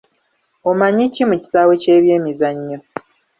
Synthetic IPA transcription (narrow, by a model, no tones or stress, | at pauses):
omaɲicimuci̥sawece̞ːβje̞ːmizaɲːo